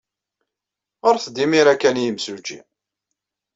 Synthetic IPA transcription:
ʁoɾθd̪imiɾækːænjəmsud͡ʒḭ

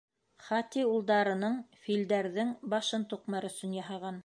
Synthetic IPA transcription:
χɑt̪iulˠd̪ɑɾɤ̆nɤɴfild̪æɾðɘŋbɑʃɤnt̪uqmɑɾɵ̆sɵnjɑɦɑʁɑn

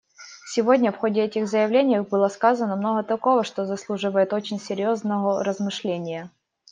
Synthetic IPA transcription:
sʲɪvo̞dʲnʲəfxodʲɪɛtʲɪxzəjɪvlʲenʲɪjbɨlˠəskazənəmnoɣət̪ɐko̞vəʂt̪ozɐslˠuʐɨvəjɪt̪o̞t͡ɕɪnʲsʲɪɾʲjoznəəɾəzmɨʂlʲenʲɪjə

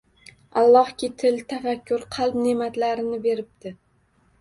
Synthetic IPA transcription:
alˠːɒhkʲɪt̪ʰɪlt̪ʰafakʲːʊɾqʰɑlˠbnemat̪laɾɪnɪbe̞ɾɪp̚t̪ɪ

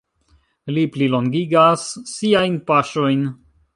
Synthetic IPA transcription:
lipliloŋɡiɡasːiajnpaʃo̞jn

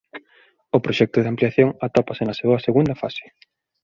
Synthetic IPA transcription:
ʊpɾoʃɛk̚t̪ʊðeampliaθjoŋat̪ɔpasɪnɐseɐseɣund̪ɐfasɪ̥

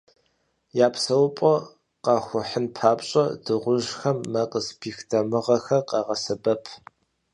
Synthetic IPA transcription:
jaːpʰsɐwpʼɔ | qɑxʷʊħənpʰaːpɕʼɐ̰dɨʁʷʊʒxɐmːɐqəspʰiːxtʰɐmɨʁɐxɐqɑʁɐsɐbɐpʰ

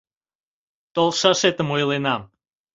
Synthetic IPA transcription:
t̪olˠʃɑʃet̪əmojlenɑm

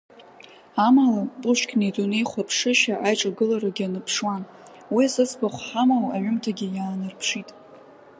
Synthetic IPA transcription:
amalapʼuʃʷkʲnetʼunejχʷapʰʂɨʃaʔajʈ͡ʂʼaɡɨlaɾaɡʲanɨpʰʂwan | wisɨt͡sʰbaχʷħamawaʕʷʊmtʰaɡʲɪjaːnɨrpʰʂitʼ

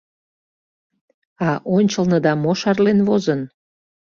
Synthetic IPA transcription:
ɑʔonʲt͡ɕəlnəd̪ɑmoʃɑrlenβozən

